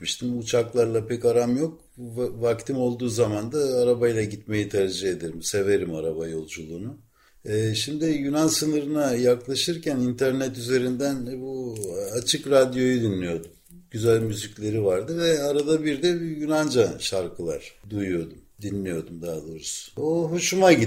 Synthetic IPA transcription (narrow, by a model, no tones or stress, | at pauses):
miʃt̪ʰimut͡ʃʰaklˠaɾlˠapɛcaɾamjo̞k̚ | vak̚t̪ʰimo̞lˠd̪uːzamand̪aːɾabajlˠaɟit̪me̞jit̪ʰæɾd͡ʒɯɦe̞d̪eɾimse̞ve̞ɾimaɾabajo̞lˠd͡ʒulˠuːnu | ɛːʃimd̪ijynansɯnɯɾɯnajaklˠaʃɯɾcʰænint̪ʰæɾnɛt̪yze̞ɾind̪ænbuat͡ʃʰɯkɾad̪jo̞jud̪inlʲijo̞d̪um | ɟyzælʲmyziclʲe̞ɾivaɾd̪ɯvɛaɾad̪abiɾd̪ɛbijynand͡ʒaʃaɾkʰɯlˠa̰ɾ̥d̪ujujo̞d̪umd̪inlʲijo̞d̪umd̪aːlˠɯɾusoɦuʃumaɟi